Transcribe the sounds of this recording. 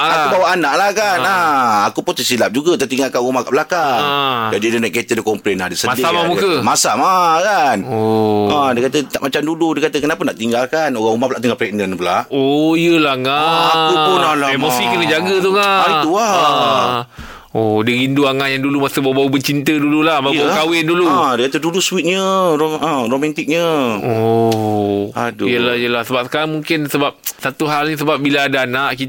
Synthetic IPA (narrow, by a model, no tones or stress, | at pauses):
aakubawaʔanaʔlahkanaakupʊnt̪əsilap̚d͡ʒuɡat̪ət̪iŋɡalkanɣumakaʔbəlakad͡ʒadidənaʔkət̪ədəkɔmpɾɛnadəsəmadiamamukəmasamakan | ə̃dəkat̪ət̪aʔmat͡ʃamduludiəkat̪əkənapənaʔt̪iŋɡalkanoɣaŋumahpəlaʔt̪iŋɡapɾɛk̚nənpəlaʔojəlahŋaauonalaemosikənəd͡ʒaɡət̪̬uŋaaiuaha | odiɣinduaŋaʔjaŋdulumasəbaubawəbət͡ʃint̪ədululahbabawkawɪnduludəkat̪əduduswit̪̚ɲəoə̃romant̪ɪk̚ɲəo | a̰duijəlahjəlahsəbap̚səkaɾaŋmuŋkɪnsəbap̚sat̪uɦalɲisəbap̚bilaːdaːnaʔki